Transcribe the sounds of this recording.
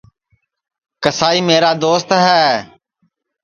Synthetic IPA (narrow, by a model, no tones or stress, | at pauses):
kəsaːiːmeːɾaːd̪oːst̪ɦɛː